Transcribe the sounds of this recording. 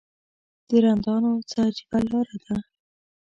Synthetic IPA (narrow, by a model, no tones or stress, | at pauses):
d̪̥əɾand̪ɑnot͡sad͡ʒibalɑɾad̪a